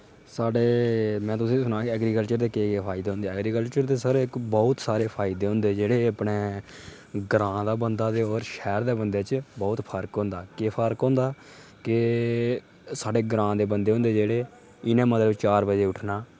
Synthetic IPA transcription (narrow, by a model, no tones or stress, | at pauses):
saːɖeːmɛ̃ːt̪ʊsĩːsʊnãːkɛːɡɾiːkəlt͡ʃəɾd̪eːkeːkepʰaːɪd̪eːɦnd̪eːɛːɡɾiːkəlt͡ʃəɾd̪eːsəɾeːkbɔːʊt̪saːɾeːpʰaːɪd̪eːɦʊ̃nd̪eːd͡ʒeːɽeːəpneː | ɡɾãːd̪aːbənd̪aːd̪eːɔːɾʃɛːɾd̪eːbənd̪eːt͡ʃbɔːt̪pʰəɾkɦõːnd̪aːkeːpʰəɾkɦõːnd̪aː | kɪ | saːɖeːɡɾãːd̪eːbənd̪eːɦʊ̃nd̪eːd͡ʒeːɽeː | ɪnẽːmət̪ləʋt͡ʃaːɾbəd͡ʒeːʊʈʰnaː